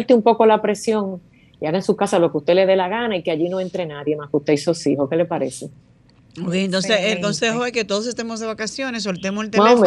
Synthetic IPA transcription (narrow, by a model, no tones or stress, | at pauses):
lt̪eumpo̞ko̞lapɾe̞sjo̞ŋ | iaɣaensuhkasalo̞keuht̪e̞le̞ðe̞laɣanaikeaʝino̞e̞nt̪ɾe̞naðje̞mahkuht̪eisosiho̞ke̞le̞paɾe̞se | mβeent̪onseselkonsehoesket̪oðos̬est̪emozðeβakasjo̞nes̬ːolt̪emoselt̪emame